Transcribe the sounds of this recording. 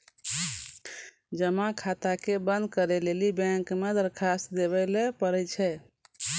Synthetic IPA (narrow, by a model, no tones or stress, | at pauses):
d͡ʒəmakʰat̪akebə̃nd̪kəɾelelibɛ̃ŋkmed̪əɾkʰasd̪eβɛlepəɾɛt͡ʃʰɛ